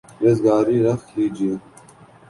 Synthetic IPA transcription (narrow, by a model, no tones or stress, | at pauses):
ɾezɡaːɾiːɾɐxhiːd͡ʑi